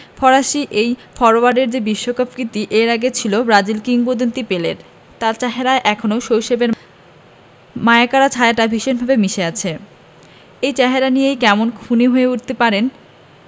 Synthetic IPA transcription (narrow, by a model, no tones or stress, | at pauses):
fɔɾaʃiʔejfɔɾoaɖeɾd͡ʑebiʃːokapkɾit̪iʔeɾaɡet͡ɕʰilobɾad͡ʑilkiŋpod̪ont̪ipelḛɾ | t̪aɾt͡ɕaɦeɾaeʔɛkʰonowʃowʃebeɾ | maeekaɾat͡ɕʰaaʈabʱiʃonbʱabemiʃeat͡ɕʰe | ejt͡ɕaɦeɾanijejkɛmonkʰuneɦoeuʈ̚t̪epaɾen